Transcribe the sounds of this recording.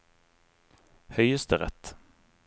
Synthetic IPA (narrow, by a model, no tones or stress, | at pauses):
hœʏəst̪əʁɛ̰t̪